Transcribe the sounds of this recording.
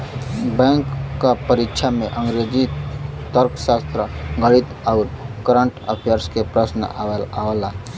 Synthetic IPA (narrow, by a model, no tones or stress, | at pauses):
bɛ̃ŋkːapəɾikʃʰamẽʔə̃ŋɡɾed͡ʑit̪əɾksast̪ɾəɡəɭit̪auɾkəɾəɳʈə̰pʰjəɾskepɾəsnə̰a̰ʋelaʋla